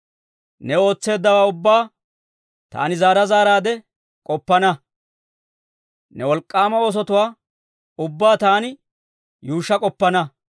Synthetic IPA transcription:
nɛo̞ːt͡sːe̞ːd̪ːɐwaːʊbːaː | t̪a̰ːnɪzaːɾɐzaːɾaːd̪ɛ | kʼɔpːɐnɐ | nɛwɔlkʼːaːmɐoːs̬ɔt̪ʊwaː | ʊbːaːt̪aːnɪ | juːʃːɐkʼɔpːɐnɐ

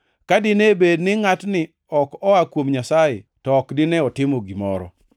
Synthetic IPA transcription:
kadɪnebednɪŋatnɪ | ɔkɔakwomɲasajetɔːkdɪnɛɔtɪmoɡimɔ̰ɾɔ̰

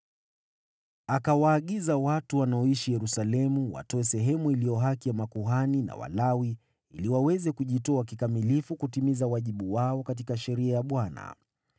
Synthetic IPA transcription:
akawaːɠizawatuwanaɔiʃijɛɾusalɛmuwa̰tɔɛsɛɦɛmuilijɔɦakijamakuɦanina̰wa̰lawi | iliwawɛzɛkuʄitɔak̬ikamilifukutimizawaʄiɓuwaɔkat̬ikaʃɛɾiajaɓwana̰

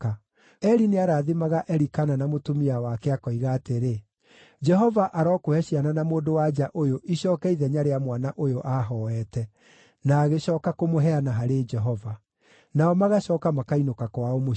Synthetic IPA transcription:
a | ɛɾineaɾaːðemaɣaʔɛɾikananamotomiawakɛakɔiɣaːteɾe | d͡ʒɛɦɔvaʔaɾɔːkohɛɕiananamoːdowad͡ʒaʔojoʔiɕɔːkɛiðɛɲaɾeamwanaʔojoʔaɦɔɛtɛ | naːɣeɕɔːkakomoɦɛanaɦaɾed͡ʒɛɦɔva | naɔmaɣaɕɔːkamakainokakwaomo

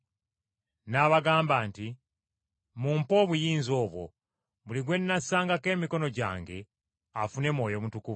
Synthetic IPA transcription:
naβaɡaːmbaːnti | muːmpo̞ːβujiːnzo̞ːβwo̞̰ | βuliɡwe̞nːasaːŋɡake̞ːmiko̞no̞ɟa̰ːŋɡe̞ | afune̞mwo̞ːjo̞mutukuvu

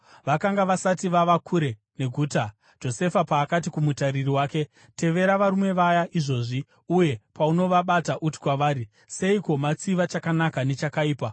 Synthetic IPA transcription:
ʋakaŋɡaʋasatiʋaʋakʰuɾe̞ | ne̞ɡʱuːta | d͡ʒo̞se̞fapaːkat̬ikumutaririwaːke̞ | te̞ʋe̞ɾaʋaɾume̞ʋajaʔiʐo̞ːʐi | uje̞pauno̞ʋaɓataʔuti̥kwaʋaːɾi | se̞iko̞mat͡siʋat͡ʃakanakane̞t͡ʃakaiːpa

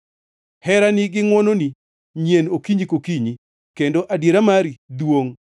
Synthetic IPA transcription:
hɛɾanɪɡɪŋwononi | ɲjenokiɲikokiɲi | kendoʔadjeɾamaɾidwoŋ

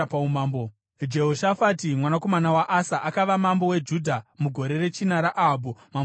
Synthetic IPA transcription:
paumaːmbo | d͡ʒe̞ɦoʃafatimwanako̞manawaʔasaʔakaʋamambo̞we̞d͡ʒudʱamuɡʱo̞ɾe̞re̞t͡ʃinaɾaʔaɦbʱumam

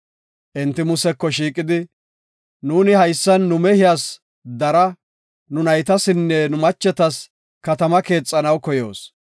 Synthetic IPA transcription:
ʔɪnt̪ːɪmʊsɛkːɔʃiːkʼɪd̪ɪ | nuːnɪhɐjsːɐnːʊmɛhɪjaːs | d̪ɐɾɐ | nʊnɐjt̪ɐsɪnːɛnʊmɐt͡ʃːɛt̪ɐs | kɐt̪ɐmɐke̞ːt͡sʼːɐnɐwkɔjo̞̰ːs

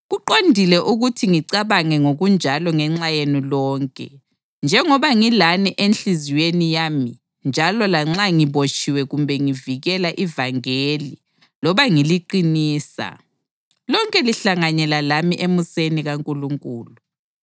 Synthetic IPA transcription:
ɣuǃondʱilɛʔuɣutʰiŋiǀaβaŋɛŋoɣund͡ʒʱalɔŋɛŋ͡ǁajenilɔːŋkʼɛ̰ | nd͡ʒʱɛŋɔβaŋilanɛʔenɬiziwenijami | nd͡ʒʱalɔlaŋ͡ǁaŋiβot͡ʃʰʼiwɛɣumbʱɛŋiviɣɛlaʔivaŋeli | lɔβaŋiliǃiniːsa̰ | lɔŋkʼɛliɬaŋaɲɛlalamiʔemuseniɣaŋkʼuluŋkʼuːlu

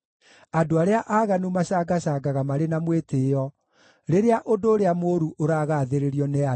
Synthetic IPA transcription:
adoaɾeaʔaːɣanumaɕaɡaɕaɡaɣamaɾenamweteɔ | ɾeɾeaʔodoːɾeamoɾuʔoɾaːɣaːðeɾeɾiɔnea

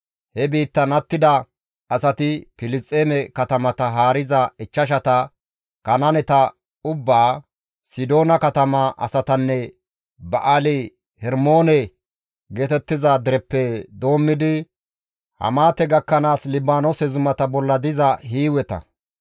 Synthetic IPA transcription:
hɛbiːt̪ːɐnɐt̪ːɪd̪ɐ | ɐsɐt̪ɪpɪlɪst͡sʼːeːmɛkɐt̪ɐmɐt̪ɐɦaːɾɪzɐɪt͡ʃːɐʃ̬ɐt̪ɐ | kɐnɐnɛt̪ɐ | ʊbːaː | sɪd̪oːnɐkɐt̪ɐmɐʔɐ̰sɐt̪ɐnːɛ | bɐʔalɪ | hɛɾmo̞ːnɛ | ɡeːt̪ɛt̪ːɪzɐd̪ɪɾɛpːɛd̪o̞ːmːɪd̪ɪ | hɐ̰maːt̪ɛɡɐkːɐnaːslɪbaːnosɛzʊmɐt̪ɐbɔlːɐd̪ɪzɐhiːwɛt̪ɐ̰

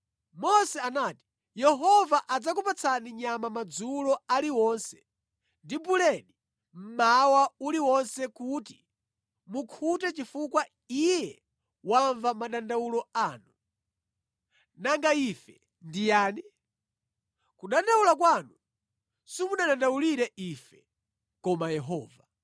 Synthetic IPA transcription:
mɔsɛanaːti̥ | jɛɦɔvaʔad͡zak̬upat͡sʰaniɲamamad͡zulɔaliwɔnsɛ̥ | ndibulɛɗi | m̩mawauliwɔnsɛkuti | mukʰutɛt͡ʃifukwa | ijɛ | waɱvamaɗandawulɔaːnu | naŋɡaifɛ | ndijaːni | kuɗandawulak̬wanu | simuɗaɗandawuliɾɛʔifɛ | kɔmajɛɦɔːva

